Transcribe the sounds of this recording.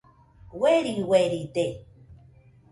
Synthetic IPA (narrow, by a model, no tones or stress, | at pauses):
weɾiweɾit̪e